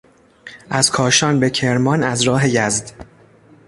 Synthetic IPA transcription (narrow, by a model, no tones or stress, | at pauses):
ʔæz̥kʰɒːʃɒːnbe̞cʰe̞ɾmɒnæzɾɒːɦe̞jæzd̪